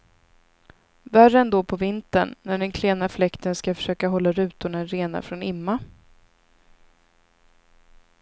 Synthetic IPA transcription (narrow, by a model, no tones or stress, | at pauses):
værɛnd̪oːpʰɔvɪnt̪ənnːæɖɛnkʰleːnaflɛkt̪ənskafœ̥ʂøːkaɦɔlːaɾʉ̟ːt̪ʊɳaɾeːna̰fɾɔnɪmːa